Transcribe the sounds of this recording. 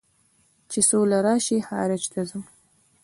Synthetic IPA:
t͡ʃesolaɾɑːʃihɑ̰ːɾɪt͡ʃt̪azum

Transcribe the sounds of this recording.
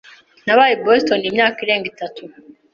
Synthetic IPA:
naβajibostonimɲaːkiɾe̞ːŋɡitatu

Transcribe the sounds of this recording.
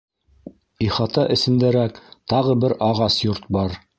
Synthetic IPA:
iχɑt̪ɑʔɘ̆sɘ̆md̪æɾækt̪ɑʁɤbɘɾɑʁɑsjoɾt̪̚bɑɾ

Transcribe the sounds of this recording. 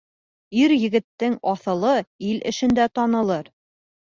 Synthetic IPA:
iɾjɘ̆ɡɘ̆t̪ːɘŋɒθɤ̆lˠɤilʔɘ̰̆ʃɘ̆nd̪æt̪ɑnɤ̆lˠɤɾ

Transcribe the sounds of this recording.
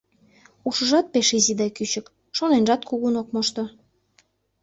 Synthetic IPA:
uʃə̆ʒɑt̪̚peʃizid̪ɑjkyt͡ɕək | ʃonenʒɑt̪kuɣunok̚moʃt̪o

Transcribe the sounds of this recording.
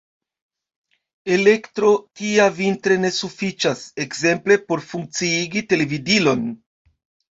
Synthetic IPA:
e̞lektɾo̞tiavintɾe̞ne̞sufit͡ʃase̞kse̞mple̞po̞ɾfuŋk̚t͡siiɡite̞le̞vidilo̞n

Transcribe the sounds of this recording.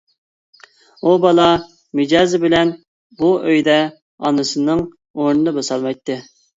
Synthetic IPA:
ubɑlˠɑ | mɪd͡ʒɑːzɨbɪlɛn | buʔøjd̪ɛ | ɑ̰nɨsɨnɨŋ | oɾnɨd̪ɑbɑsɑlˠmɑjt̪ːɨ

